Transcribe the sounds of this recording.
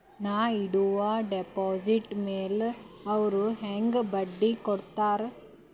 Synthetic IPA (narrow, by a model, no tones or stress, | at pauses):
naːɪɽɯʋaːɖɛpoːsiʈmeːlɐʋɐɾɯɦeŋɡbɐɖːikɔɽɯt̪ːaːɾ